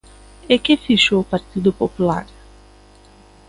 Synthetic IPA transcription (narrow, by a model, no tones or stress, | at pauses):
ekefiʃopaɾt̪id̪ʊpopula̰ɾ